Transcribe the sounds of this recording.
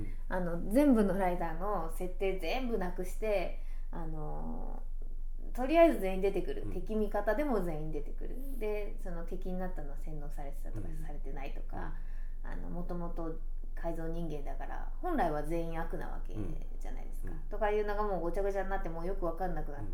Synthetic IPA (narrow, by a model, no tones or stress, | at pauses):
ano̞d͡zẽ̞mbɯ̟no̞ɾaid̪aːno̞ | se̞t̪ːe̞ːzẽ̞mbɯ̟nakɯ̟ɕi̥t̪e̞ | ano̞ | t̪o̞ɾʲiaizɨze̞ːĩnd̪e̞t̪e̞kɯ̟ɾɯ̟t̪e̞kʲimʲikat̪ad̪e̞mo̞ze̞ːĩnd̪e̞t̪e̞kɯ̟ɾɯ̟̰ | d̪e̞ | sono̞t̪e̞kʲiɲ̟inat̪ːano̞βasẽ̞nːo̞ːsaɾe̞t̪e̥t̪at̪okasaɾe̞t̪e̞nait̪o̞ka̰ː | no̞̰mo̞t̪o̞mo̞t̪o̞ | kʰaizo̞ːɲ̟ĩŋɡẽ̞nd̪akaɾa̰hõ̞nɾaiβ̞aze̞ːĩɰ̃akɯ̟na̰βa̰ke̞̰ | ʑ̥a̰na̰ḭd̪e̞sɨ̥kḁt̪o̞kajɯ̟ːnoɡamo̞ːot͡ɕakɯ̟t͡ɕanːat̪ːe̞moːjo̞kɯ̟βakaɾɯnakɯ̟na